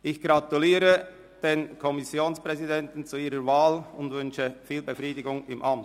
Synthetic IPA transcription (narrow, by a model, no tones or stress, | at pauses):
ʔɪçɡ̥ʁatuliːɾə | d̥eːnkʰɔmɪsjoːnspʁ̥ɛzidɛntn̩t͡suiːɾəvaːlʊndvʏnçəfiːlbəfʁiːdɪɡʊŋɪmʔamt